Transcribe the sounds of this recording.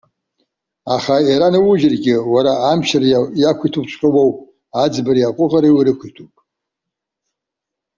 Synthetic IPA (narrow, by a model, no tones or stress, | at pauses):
aχaiɾanɨwʊʒɪrɡʲɪwaɾaːmʃarjakʷʰitʰupt͡ʃʷʰʼqʲʼəwow | ad͡zbaɾiaqʷʼʊʁaɾawiɾɨkʷʰitʰupʼ